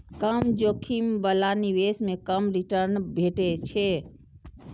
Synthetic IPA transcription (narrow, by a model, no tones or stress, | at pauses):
kəmd͡ʒokʰimbəlaniwesmekəmɾiʈəɾnbʱeʈet͡ʃʰɛ